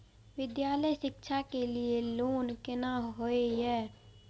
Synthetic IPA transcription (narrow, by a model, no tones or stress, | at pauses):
ʋɪd̪jaːləjʃɪkʃʰakelieloːnkɪnaɦoeɦɛː